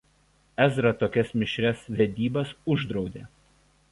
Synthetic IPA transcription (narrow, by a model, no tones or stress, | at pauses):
ɛzɾɐt̪oːkʲɛsmʲɪʃʲɾʲɛsʋʲɛd̪ʲiːbɐsʊʒd̪ɾɒʊd̪ʲeː